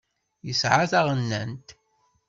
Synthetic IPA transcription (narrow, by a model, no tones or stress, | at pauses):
jəsʕaθaʁənːænt̪